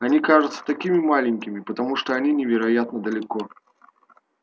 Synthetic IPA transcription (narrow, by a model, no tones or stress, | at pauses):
anʲikaʐut̪sə̥t̪ɐkʲimʲimalʲɪnʲkʲimʲipɐt̪ɐmuʂt̪ɔanʲinʲɪvʲɛɾajat̪nɐd̪ɐlʲɪkɔ